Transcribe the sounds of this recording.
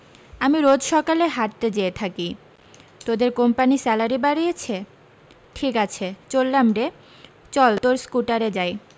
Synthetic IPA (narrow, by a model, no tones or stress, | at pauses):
amiɾod͡ʑʃɔkaleɦaʈ̚t̪ed͡ʑeet̪ʰaki | t̪od̪eɾkompanisɛlaɾibaɾijet͡ɕʰe | ʈʰikat͡ɕʰet͡ɕolːamɖe | t͡ɕɔlt̪oɾskuʈaɾed͡ʑaj